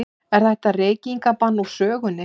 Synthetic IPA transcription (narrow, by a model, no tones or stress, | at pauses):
ɪ | ɛɾ̥θajht̪areːjciŋkapanːusœːɣʏnːɪ